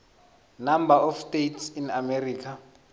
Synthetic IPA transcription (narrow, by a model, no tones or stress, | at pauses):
nambaɔfstejtsinameriːkʰa